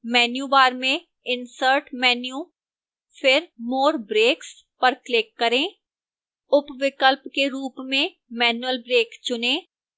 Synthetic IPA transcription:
mɛːnjubaːɾmẽ | ɪnsəɾʈmɛːnjuː | fʰɪɾmoːɾbɾeːks | pɐɾklɪkːəɾẽː | ʊpʋɪkəlpkeɾuːpmẽ | mɛːnjuəlbɾeːkt͡ʃʊnẽː

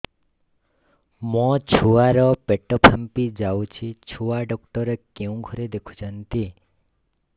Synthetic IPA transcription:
mɔ̃t͡ʃʰuaɾɔpeʈɔpʰampid͡ʒawt͡ʃʰit͡ʃʰuaɖɔkʈɔɾekeũɡʱɔɾed̪ekʰu̥d͡ʒant̪i

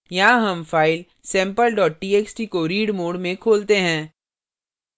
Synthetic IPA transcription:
jɐɦãɦɐmfaːɪl | sɛ̃ːmpəlɖɔːʈ̚ʈiːeːksʈikoɾiːɖmoːɖmẽkʰoːlt̪eɦɛ̃ː

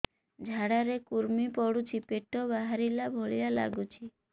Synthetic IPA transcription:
d͡ʒʱaɽaɾekuɾmipɔɽut͡ʃʰipeʈɔbaɦaɾilabʱoɭijala̰ɡut͡ʃʰi

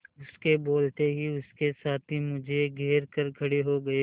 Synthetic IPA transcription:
ʊskeboːlt̪eɦiʊskesaːt̪ʰɦimʊd͡ʒʱeɡʱeːɾkɐɾkʰɐɽeɦoɡɐe

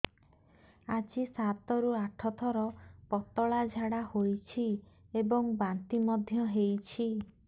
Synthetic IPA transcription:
ad͡ʒisat̪ɔɾuaʈʰɔt̪ʰɔɾɔpɔt̪ɔɭad͡ʒʱaɽahojt͡ʃʰi | ebɔŋbant̪imɔd̪ʱjɔɦejt͡ʃʰi

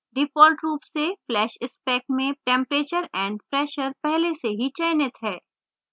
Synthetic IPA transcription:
ɖɪfɔːlʈɾuːpseflɛːʃɪspɛːk̚mẽʈɛ̃ːmpɾeːt͡ʃəɾɛ̃ːɳɖpɾɛːʃəɾpɛɦleseɦit͡ʃɛːnɪt̪ɦɛː

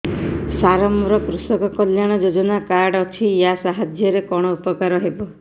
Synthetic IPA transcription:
saɾɔmɾɔkɾusɔkɔkɔljaɽ̃ɔd͡ʒod͡ʒɔnakaɾɖɔt͡ʃʰijasaɦad͡ʒjɔɾekɔɽ̃ɔupɔkaɾɔɦebɔ

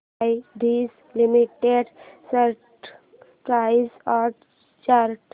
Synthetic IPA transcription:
ɪɖ̪iːs | limiʈeɖsəɾʈ | pɾaɪzɔɾ | t͡ʃaɾʈ

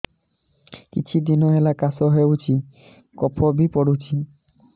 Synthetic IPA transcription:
kḭt͡ɕʰud̪inɔɦɛlakasɔɦeut͡ʃʰi | kɔpʰɔbipɔɽut͡ɕʰi

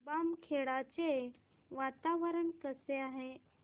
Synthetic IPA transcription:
bamkʰeɭat͡ɕe | ʋat̪aʋəɾəɳkəseaɦe

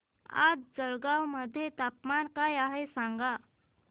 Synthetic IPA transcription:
a̰d͡zd͡zəɭɡawməd̪ʱːjet̪apmankajaɦesaŋɡa

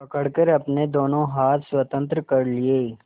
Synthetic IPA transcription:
pɐkəɽkəɾɐpned̪oːnõɦaːt̪ʰswɐt̪ə̃nt̪̬ɾəkɐɾlɪeː

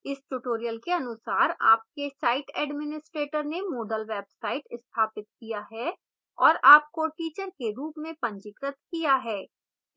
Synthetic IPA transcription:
ɪsʈʊʈoːɾijəlkeɐnʊsaːɾa̰ːp̚kesaːɪʈɛːɖmɪnɪsʈɾeːʈəɾnemoːɖəlʋɛːbsaːɪʈɪst̪ʰaːpɪt̪̚kijaɦɛ | ɔːɾaːp̚koʈiːt͡ʃəɾkeɾuːpmẽpɐ̃ɲd͡ʒɪkɾət̪kijaɦɛː

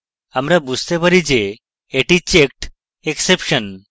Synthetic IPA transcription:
amɾabust̪epəɾid͡ʑeː | ʈit͡ɕek̚ʈ | eksepɕən

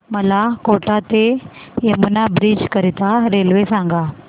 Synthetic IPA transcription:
məlakoʈat̪ejemunabɾiːd͡ʑkəɾit̪aɾelʋesãŋɡa

